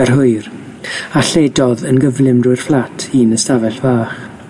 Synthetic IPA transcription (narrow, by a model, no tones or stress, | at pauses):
ɛrɦʊɨr | aɬedɔðənɡəvlɪmduɨr̥flˠatʰiːnəstavɛɬv̥aːχ